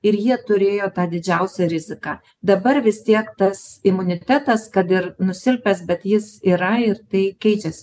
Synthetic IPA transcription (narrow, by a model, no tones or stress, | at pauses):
ɪɾjiɛt̪ʊɾʲeːjoːt̪ɑːd̪ʲɪd͡ʒʲɛʊsʲɛɾʲɪzʲɪkɑː | d̪ɐbɐɾʋʲɪst̪ʲiɛkt̪ɐsɪmʊnʲɪt̪ʲæːt̪ɐskɐt̪ɪɾnʊsʲɪlʲpʲɛsbʲɛt̪jɪsiːɾɐɪɾt̪ɐɪkʲɛɪt͡ʃʲɛsʲɪ